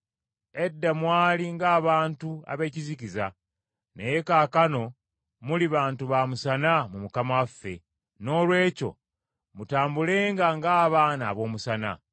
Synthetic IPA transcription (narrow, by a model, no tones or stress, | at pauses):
e̞dːamwaːliŋɡaːβaːntua̰βe̞ːciziciza | ne̞je̞kaːkano̞ | muliβaːntuβamusanamumukamawafːe̞̰ | no̞ːlwe̞ːco̞̰ | mutaːmbule̞ːŋɡaŋɡaːβaːnaːβo̞ːmusana̰